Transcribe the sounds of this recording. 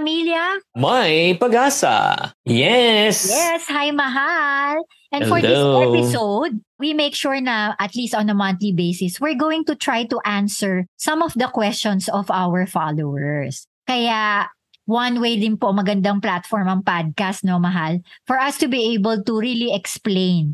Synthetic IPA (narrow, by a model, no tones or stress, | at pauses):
ɐmiljɐmajpɐɡaːsɐ̰jɛsjɛshajmɐɦal | ʔɛ̃nfɔɹd̪ɪospɪsod̪̚ | wimeɪkʃuɹnɐʔɐt̪list̪ɔ̃nɐmɐ̃nt̪libejsɪswɪɹɡoːwɪ̃ŋt̪ʊt̪ɹajt̪uʔãnsɛɹsɐ̃mɔfd̪ɐkwɛst͡ʃɔnsɔvawɛɹfalowɛɹs | kɐja | wɐnwejd̪ɪnpomɐɡɐnd̪ɐŋplat̪fɔɹmɐŋpad̪̚kast̪̚nomɐɦalfɔɹʔɐst̪ʊbiʔejbɛlt̪uɹiliɛksplẽɪn